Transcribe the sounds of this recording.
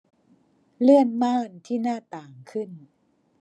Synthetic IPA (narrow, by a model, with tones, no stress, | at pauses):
lɯ˥˩ənmaː˥˩nt̪ʰiː˥˩naː˥˩t̪aː˨˩ŋkʰɯ˥˩n